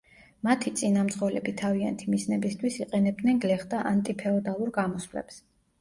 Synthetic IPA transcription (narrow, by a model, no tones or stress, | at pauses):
mat̪ʰit̪sʼinamt̪sχɔlɛ̰bit̪ʰavia̰nt̪ʰimisnɛbist̪ʰwisiqʼɛnɛb̚d̪nɛnɡlɛχd̪aʔant̪ʼipʰɛɔd̪alˠuɾɡamɔswlɛ̰ps